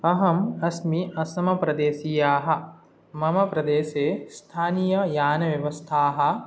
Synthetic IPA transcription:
ɐɦɐmɐsmiɐsɐmɐpɾɐd̪eːsijaːɦɐ̆ | mɐmɐpɾɐd̪eːseːst̪ʰaːnijɐjaːnɐʋjɐʋɐst̪ʰaːɦɐ̆

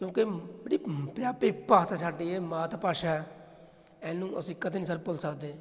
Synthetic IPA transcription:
kjõːkebəɽiːpjaːpeːpaːsaːsaːɖiːeːmãːt̪apaːʃaːɛ | ɛ̃ːnũːʔəsĩːkəd̪eːnĩːsəɾpʊlsəkd̪eː

